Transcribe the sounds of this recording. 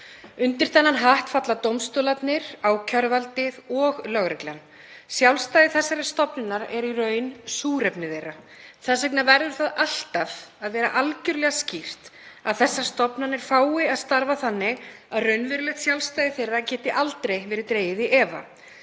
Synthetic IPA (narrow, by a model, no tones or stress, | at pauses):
ʏnt̪ɪɾ̥θanːanɦaht̪fat̪lat̪owmst̪oːlat̪nɪɾ̥aːwcʰœɾvalt̪ɪðɔɣlœɣɾɛkla̰n | sjawlst̪ajðɪθɛsːaɾɪst̪ɔpnɪnaɾɛɾirœːɥnsuːɾɛpnɪðejɾa | θasɛknavɛɾðʏɾ̥θaðal̥t̪avaðvɛːɾa̰ʔalcʏɾlɛɣascir̥t̪aðθɛsːḁst̪ɔpnanɛɾ̥faːwɪaðst̪aɾvaθanːɪ | aðrœɥnvɪɾʏlɛht̪sjawlst̪ajðɪθejrːacɛːt̪ɪʔalt̪ɾejvɛːɾɪt̪ɾeːjɪðɪʔɛːva̰